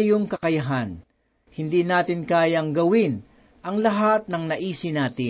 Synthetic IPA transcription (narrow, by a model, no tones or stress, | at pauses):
joŋkɐkɐjɐɦan | hɪnd̪iːnaːt̪ɪnkaːjɐŋɡɐwɪn | ʔɐŋlɐɦat̪̚nɐŋnɐʔiːsɪnaːt̪ɪ